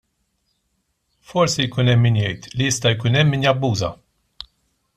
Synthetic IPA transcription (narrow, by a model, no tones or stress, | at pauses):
fɔɾsijkuːnɛmːinjɛjt̪lijɪst̪ɐjkuːnɛmːɪnjɐbːuːzɐ̰